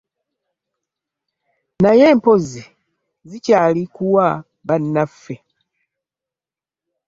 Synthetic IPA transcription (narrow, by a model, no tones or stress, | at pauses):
najɛːmpɔzi | zit͡ʃaːlikuwa | banːafɛ